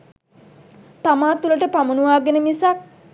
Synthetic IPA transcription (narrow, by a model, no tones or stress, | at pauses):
t̪amaːt̪uləʈəpamunuʋaːɡenəmisak̚